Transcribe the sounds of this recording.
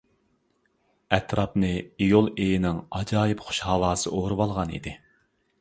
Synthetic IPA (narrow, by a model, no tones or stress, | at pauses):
ɛt̪ɾɑpnɨijolˠejinɪŋɑd͡ʒɑːjɪpχʊ̥ʃhɑwɑːsɨʔoɾɨwɑlˠʁɑnḭd̪ɪ